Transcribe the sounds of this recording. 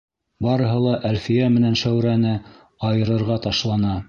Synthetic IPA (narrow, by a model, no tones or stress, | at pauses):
bɑɾɤ̆ɦɤ̆lˠɑʔælfijæmɘ̆nænʃæwɾænɘ | ɑjɤ̆ɾɤ̆ɾʁɑt̪ɑʃlˠɑnɑ